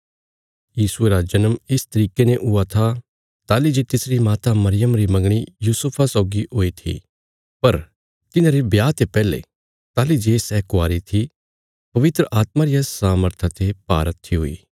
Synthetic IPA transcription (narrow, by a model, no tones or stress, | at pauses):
jiːsueɾad͡ʒɐnəmɪst̪ɐɾiːkeneʔʊat̪ʰa | t̪aːlid͡ʒeːt̪ɪsɾimaːt̪amɐɾɪjəmɾimɐ̃ŋɡɽ̃ijuːsʊpʰasɔːɡiʔoːit̪ʰḭ | pɐɾ | t̪ɪnãɾibjaːt̪epɛːlḛ | t̪aːlid͡ʒeːsɛːkʊaːɾit̪ʰi | pɐʋɪt̪ɾəʔaːt̪maɾɪjasaːməɾt̪ʰat̪ʰepa̰ːɾət̪ʰːiɦʊḭː